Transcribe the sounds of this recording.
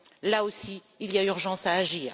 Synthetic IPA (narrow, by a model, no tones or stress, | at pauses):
laosiː | lijayʁʒɑ̃saːʒiːʁ